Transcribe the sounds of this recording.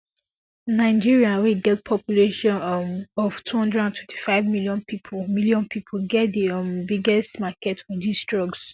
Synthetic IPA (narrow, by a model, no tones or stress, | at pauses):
naɪ̃d͡ʒiɹiaweɡɛt̚pʰɔpjuleʃɔ̃nɔvtʰuhɔ̃ndɹɛdãntʰwɛ̃ntʰi̥faɪvmiljɔ̃npʰipʰmiljɔ̃npʰipʰolɡɛt̚dimbiɡɛstmakɛtfɔdistɹɔɡs